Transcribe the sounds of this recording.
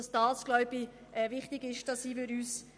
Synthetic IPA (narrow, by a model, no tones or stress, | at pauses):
ɑsd̥ɑːsɡ̥lœʏbi | ʔɛvɪχtɪɡɪʃd̥ɑsiːfyɾyːs